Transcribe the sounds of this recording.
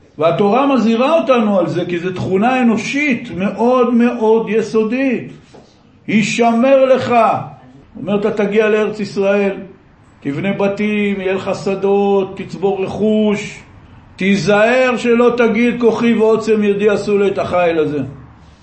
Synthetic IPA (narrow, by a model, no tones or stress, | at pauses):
veat̪o̞ʁamaziʁao̞t̪anualze̞kizet̪χunaeno̞ʃit̪me̞ʔo̞d̪me̞ʔo̞d̪jeso̞d̪it̪ | hiʃame̞ʁle̞χa | omeʁt̪at̪aɡialeeʁet͡sisʁae̞l | t̪ivne̞bat̪imjeleχasad̪ot̪ːit͡sbo̞ʁːeχuʃ | t̪izae̞ʁʃelo̞t̪aɡid̪̚ko̞χiveot͡semjed̪iasuleet̪aχajlaze̞